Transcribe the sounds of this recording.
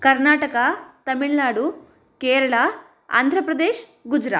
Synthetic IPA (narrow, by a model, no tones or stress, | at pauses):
kɐɾnaːʈɐkɐt̪ɐmiɭnaːɽu | kɛːɾɐɭa | a̰ːnd̪ʱɾɐpɾɐd̪eːʃɡud͡ʒɾa̰ː